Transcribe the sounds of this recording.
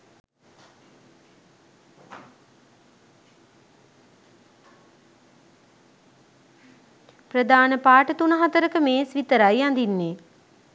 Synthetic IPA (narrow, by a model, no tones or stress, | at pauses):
prəd̪aːnəpaːʈət̪unəɦat̪əɾəkəmeːsʋit̪əɾajand̪inːeː